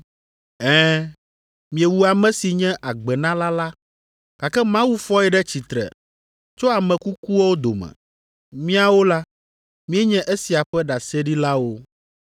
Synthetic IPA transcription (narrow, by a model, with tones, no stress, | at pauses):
ɛ̃˦ | mĩ˨ɛ˨wu˨a˨mɛ̃˦si˨ɲɛ̃˦ʔa˨ɡ͡bɛ˨nã˦la˦la˦ | ka˨kɛ˦mã˦wu˦fɔ˦ɛ˨ɖɛ˦t͡ɕi˨t̪ɾɛ̰˨ | t͡ʃo˦a˨mɛ̃˨ku˦ku˦wo˦wo˦d̪o̰˨mɛ̰̃˨ | mĩ˦a˨wo˦la˦ | mĩ˦ɛ˦ɲɛ̃˦ʔe˦si˨a˨ɸɛ˦ɖa˨sɛ˦ɖi˦la˦wo˦